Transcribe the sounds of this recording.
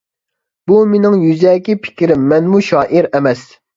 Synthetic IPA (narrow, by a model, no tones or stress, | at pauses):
b̥umenɪŋjyzɛːkʲipʰɪ̥kʲʰɾɪmːɛnmuʃɑːʔiɾɛmɛs